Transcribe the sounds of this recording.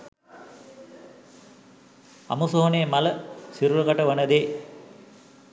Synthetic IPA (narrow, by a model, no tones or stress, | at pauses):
ɐ̰musoɦoneːmɐlɐsiɾɾɐkɐʈɐʋɐnɐd̪eː